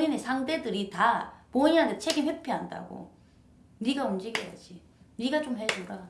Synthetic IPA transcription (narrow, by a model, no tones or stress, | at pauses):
oɲinesʰaŋde̞dɯɾitapoɲiɦantʰet͡ɕʰeɡimhepʰiɦanda̰ɡo̰ | niɡaumd͡ʑiɡeja̰d͡ʑi | niɡat͡ɕomhe̞d͡ʑoɾa